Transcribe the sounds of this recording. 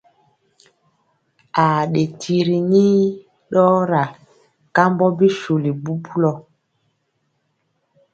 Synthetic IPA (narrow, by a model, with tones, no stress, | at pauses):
a˨ɗe˨tʰi˨ɾi˨ni˦ | ɗɔ˦ɾa˨ | ka˦mbɔ˦bi˦ʃu˨li˨bu˦bu˦lɔ˦